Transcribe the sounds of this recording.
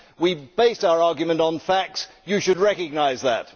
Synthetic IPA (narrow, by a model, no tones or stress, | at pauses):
wib̥eɪstaʊə˞ɑˑɡjɨmə̃ntn̩fæk̚ts | jɨʃɨd̚ɹɛkɨɡ̚naɪzðə̰t̚